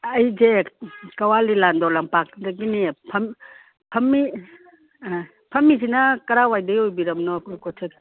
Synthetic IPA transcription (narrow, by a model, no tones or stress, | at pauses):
ɐjzekɐwalilandɔlampak̚daɡinipʰɐm | pʰɐmːi | pʰɐmːisinɐkɐɾawajdɐjojbiɾɐmnɔkukɔtʰek